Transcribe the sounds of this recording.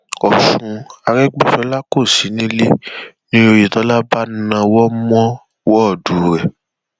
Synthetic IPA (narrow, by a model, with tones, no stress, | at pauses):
ɔ˨ʃũ˧a˨ɾɛ˦ɡ͡be˦˨fɛ˧˦la˦ko˦˨si˨˦nĩ˦le˦nĩ˦o˧ji˨tɔ˨˦la˦ba˦n˦nã˧wɔ˦mɔ̃˦ | wɔ˦˨du˨˦ɾɛ˨